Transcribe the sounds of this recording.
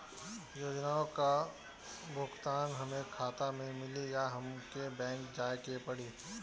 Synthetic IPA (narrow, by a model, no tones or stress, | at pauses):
joːd͡ʒnaːõka | bʱʊɡt̪aːnɦɐmẽkʰaːt̪amẽmɪlijaɦɐmkebɛ̃ːŋkd͡ʒaːkepɐɽiː